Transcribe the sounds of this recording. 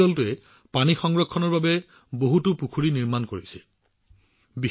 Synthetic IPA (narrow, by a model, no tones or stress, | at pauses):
ɔltʊɛ | panixɔŋɡɹɔkʰːɔnɔɹbabɛ | boɦutupukʰuɹiniɹmankoɹisɛ | bi